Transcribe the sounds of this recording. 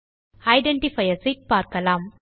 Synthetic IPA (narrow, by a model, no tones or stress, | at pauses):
ɐjɖeɳʈifɐjɐsik̚paːɾkɐlaːm